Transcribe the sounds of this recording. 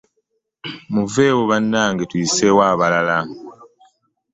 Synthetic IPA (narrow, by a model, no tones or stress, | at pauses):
muve̞ːwoβanːaːŋɡetwiːsewaːβalala